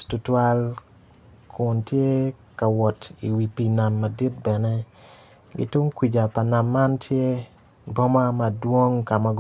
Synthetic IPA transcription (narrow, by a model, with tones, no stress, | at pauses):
tʊ˨twa˦l | kʰʊ˨ntje˦ka˨wɔ˨tḭ˨wi˨pi˨na˨mːa˨di˦t̚bɛ˨nɛ˦ | ɡɪ̰˦tʊ˦ŋkwi˨d͡ʒa˨pa˨na˨mːa˦ntʰje˦ | bɔ˦ma˦ma˨dwo˦ŋka˨ma˨ɡ